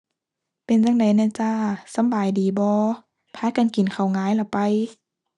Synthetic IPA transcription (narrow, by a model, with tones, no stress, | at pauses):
pe˨nt͡ɕa˧˥ŋda˨˩jna˧˩˨t͡ɕaː˧sa˧˦mbaː˨˩jdiː˨˩bɔː˧˦ | pʰaː˧˥˨ka˨nki˨˩nkʰa˨˩wŋaː˨˧˦jla˧˩pa˨˧j